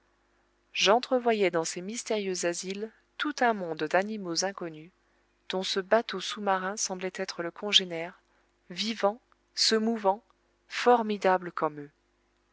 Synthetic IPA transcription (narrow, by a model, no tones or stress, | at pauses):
ʒɑ̃t̪χəvwajɛd̪ɑ̃semist̪eʁjøzazil | t̪ut̪ɛ̃mɔ̃d̪ːanimozɛ̃kɔny | d̪̥ɔ̃səbat̪osumaʁɛ̃sɑ̃blɛt̪ɛt̪χələkʰɔ̃ʒenɛʁ | vivɑ̃ | səmuvɑ̃ | fɔʁmid̪abləkɔmø